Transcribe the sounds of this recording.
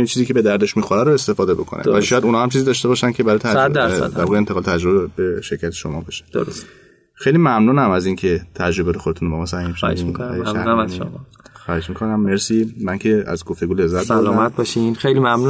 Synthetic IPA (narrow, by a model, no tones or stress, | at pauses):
it͡ʃʰiːziːcʰe̞be̞d̪æɾd̪e̞ʃmixoɾæɾoe̞st̪e̞fɒːd̪ebo̞̰kʰonʔæ̰væliiʃɔːjæd̪unɒːhæmt͡ʃʰizid̪ɒʃt̪ebɒːʃæncʰebæɾɒjiæd̪æɾsæ̰d̪æɾbɒʁent̪eɒlet̪ʰæd͡ʒɾobebeʃe̞ɾcʰæt̪ʰe̥ʃomɒ̰bɒʃe̥d̥̪oos | xejlimæmnuːnæmæziŋcʰe̞t̪ʰæd͡ʒɾo̞beɾexod̪et̪unbemɒsæhimʃæd̪mæmno̰m | xɒːhed͡ʒmikʰo̞næmːe̞ɾsimæncʰe̞æ̰zɡoft̪e̞ɡule̞zːæt̪̚dælɔmæt̪̚bɒʃinxejlimæmnu